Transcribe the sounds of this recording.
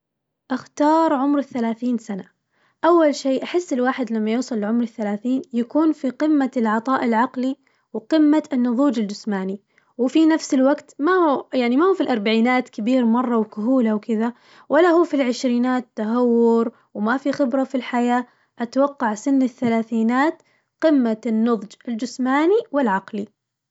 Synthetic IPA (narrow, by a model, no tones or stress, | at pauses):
ʔaxt̪ɑːɾˤʕʊmɾɪθːalaːθiːnsana | ʔawːalʃeːʔaħɪsːɪlwaːħɪd̪lamːajuːsˤɑlːʕʊmɾɪθːalaːθiːnjakuːnfiqɪmːalʕɑt̪ˤɑːʔɪlʕɑqli | wqɪmːaɪnːʊðˤuːd͡ʒɪld͡ʒʊsmaːni | wɪfinafsɪlwaɡt̪maujaʕnimahuːfilʔɑɾˤbaʕiːnaːt̪kabiːɾmɑrˤːɑwkʊɦuːlawkɪða | walːaɦuːfilʕɪʃɾiːnaːaɦawːʊɾ | wmafixɪbɾafilħajaː | ʔat̪wɑqːɑʕsɪnːɪθːalaːθiːnaːt̪ | qɪmːanːʊðˤd͡ʒɪld͡ʒɪsmaːniwɪlʕɑqli